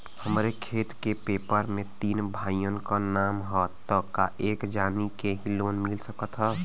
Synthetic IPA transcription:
həmɾekʰeːt̪kepeːpəɾmẽt̪iːnbʱaːjjənkanaːmɦɔt̪əkaʔeːkd͡ʒaːnikeɦiloːnmɪlsəkət̪ɦɛː

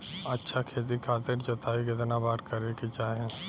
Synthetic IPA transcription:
ɐtːʃʰakʰeːt̪̬ikʰaːt̪ɪɾt͡ʃot̪aːikɪt̪nabaːɾkɐɾekit͡ʃaːɦɛ̃ː

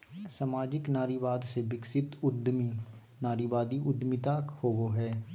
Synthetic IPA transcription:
samaːd͡ʒɪknaːɾiʋaːd̪seʋɪksɪt̪ʊd̪mi | naːɾiʋaːd̪iʔʊd̪mɪt̪aːkhoːʋoɦɛː

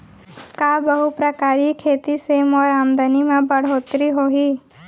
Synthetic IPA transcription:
kaːbəɦupɾəkaːɾikʰeːt̪isemɔːɾaːmd̪animãbəɽ̤oːt̪ɾiɦoːɦiː

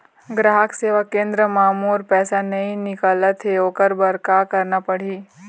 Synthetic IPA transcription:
ɡɾaːɦəkseːʋakẽːnd̪ɾəmaːmuːɾpɛːsanɐɦĩnɪkaːlət̪ɦeoːkəɾbəɾkakɐɾnapɐɽ̤iː

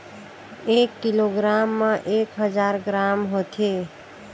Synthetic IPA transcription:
ekːiloɡɾamːʌ̃ʔekɦəd͡ʒaɾɡɾamɦot̪ʰe

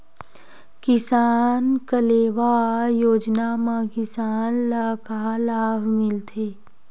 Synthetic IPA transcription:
kɪsaːnkəleːʋajoːd͡ʒnamãkɪsaːnlakaːlaːbʱmɪlt̪ʰeː

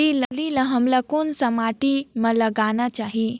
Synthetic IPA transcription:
iləlilə̃ɦɐmlakonsəmaʈimələɡanat͡ʃaːɦi

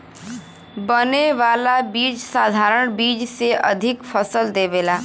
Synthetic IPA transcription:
bəneʋaːlabiːd͡ʒsaːd̪ʱaːɾəɳ̃biːd͡ʒseə̰d̪ʱɪkfʰəsəld̪eːʋeːlaː

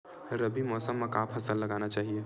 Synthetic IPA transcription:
ɾɐbimɔːsəmːẽkaːpʰɐsəlːɐɡaːnat͡ʃaːɦie

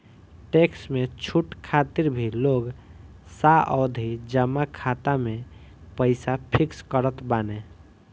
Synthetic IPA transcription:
ʈeksmet͡ʃʰuʈkʰat̪iɾbʱiloɡ | saʔɔd̪ʱid͡ʒəmːakʰat̪ame | pəɪsapʰikskəɾət̪bane

